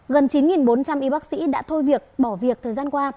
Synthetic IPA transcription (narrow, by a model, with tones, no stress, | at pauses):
ɣə˨˩nt͡ɕi˨˦nŋi˨˩nɓo˨˦nt͡ɕa˧mʔi˨˦ɓaː˦˥k̚sḭ˧˥ɗa̰ː˧˥t̪ʰo˧jvi˨˩ək̚ɓɔ˧˩vi˨˩ək̚t̪ʰəː˨˩jzaː˧nkwaː˧